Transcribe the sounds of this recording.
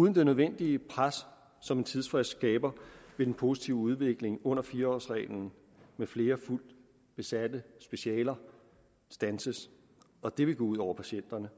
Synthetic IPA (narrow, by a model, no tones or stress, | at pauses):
uːðˠnd̥e̝nøð̞ˠʋen̰d̥iəpʰʁasː | ɒ̽me̝nt͡sʰiðˠsfʁɛsd̥sɡ̥ɛːb̥ɐʋe̝d̥enpʰo̝si̥t͡sʰiʊəuð̞ˠʋe̝ɡ̥le̝ŋɔ̽n̰ɐfiːɐɒ̰ːsʁɛ̰ːln̩ | mefle̝ːɐful̰d̥ | b̥e̝sæd̥əsb̥e̝ɕiɛ̰ːlɐ | sd̥ænsəs | ɒ̽d̥e̝ʋe̝ɡ̥ɔuð̰ˠɒʊ̰ɐpʰæɕen̰d̥ɐnə